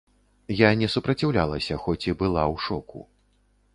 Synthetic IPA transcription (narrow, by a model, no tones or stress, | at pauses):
janʲɛsupɾɐt͡sʲiwlʲalˠɐsʲɐxɔt͡sʲibɨlˠawʂɔkṵ